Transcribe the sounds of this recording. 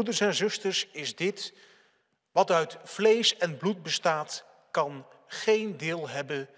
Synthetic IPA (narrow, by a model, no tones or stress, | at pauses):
udəɹsɛnzɵstəɹsɪzdɪt | ʋɑtœɥtv̥lejsɛnblut̚bəstaːt | kɑn | χejndɪːlˠɦɛbən